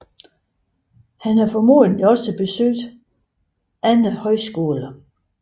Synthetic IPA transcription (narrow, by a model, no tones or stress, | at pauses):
hænhæfɒmo̝̰ːðˠənliɒ̽səb̥e̝søɡd̥ | ænəhɒ̽ɪsɡ̥o̝ːlɐ